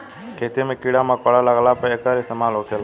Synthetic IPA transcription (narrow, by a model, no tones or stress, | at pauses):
kʰeːt̪imẽːkiɽamãːkɔɽaːlaɡlapəekaɾist̪əmaːlɦoːkʰel